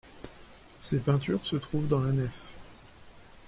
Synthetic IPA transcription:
sepɛ̃t̪yʁsət̪χuvd̪ɑ̃lanɛf

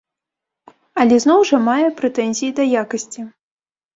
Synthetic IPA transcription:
ɐlʲɛznɔwʐɐmajɛpɾɛt̪ɛnʲzʲijid̪ɐjakɐsʲt͡sʲi

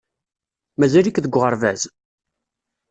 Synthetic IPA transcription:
mæzælikðəɡʷːʁəɾˤvæz

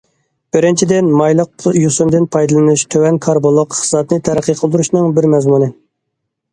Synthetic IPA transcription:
b̥ɪɾɪnt͡ʃʰid̪ɪnmɑjlˠəqjusɨmd̪ɨnpʰɑjd̪ɨlˠɨnuʃt̪ʰøwɛnkʰɑɾbolˠoqχə̥zɑt̪̚nɨt̪ʰæɾæqːəqʰəlˠd̪uɾuʃnɨŋbɪɾmɛzmunɨ

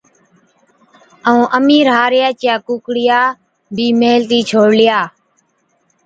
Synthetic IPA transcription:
əũːʔəmiːɾɦaːɾɪjaːt͡ʃɪjaːkuːkɽɪjaː | bʱiːmeːlt̪iːt͡ʃʰoːɽlɪjaː

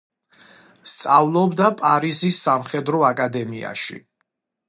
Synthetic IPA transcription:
st̪sʼavlˠɔbd̪apʼaɾizisːamχɛd̪ɾɔakʼad̪ɛmia̰ʃḭ

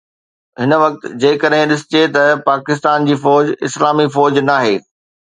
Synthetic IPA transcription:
ɦɪnə̆ʋɐk̚t̪d͡ʑeːkɐɗɦɪ̃ɗɪsɪ̥t͡ɕet̪ɐpaːkɪs̬t̪aːnd͡ʑiːfɔːd͡ʑɪ̰slaːmifɔːd͡ʑnaːɦeː

